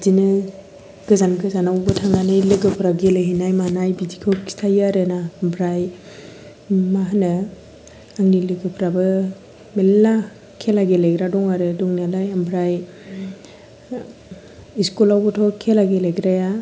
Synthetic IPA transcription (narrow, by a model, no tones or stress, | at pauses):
zinɯ | ɡ̥ɯzanɡɯzanawbɯtʰaŋanajlɯɡɯpʰɾaɡelajɦinajmahnajbidikʰɯwki̥stʰajaɾɯnambɾaj | maɦanɯ | aŋnilɯɡɯpʰɾabɯ | melːa | kʰelaɡelajɡɾadɔŋaɾɯdɔŋnalajambɾaj | iskulawbɔtʰɔkʰelaɡelajɡɾaja